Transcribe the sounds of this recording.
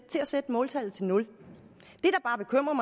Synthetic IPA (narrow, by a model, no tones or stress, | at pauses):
t͡sʰe̝læsed̥əmɔ̽ːlt͡sʰæl̰ð̩ˠt͡sʰe̝lnɔ̽l | d̥e̝ɾ̥ɑ̈b̥ɑ̈ːb̥e̝kʰøm̰ʁɐmɑ̈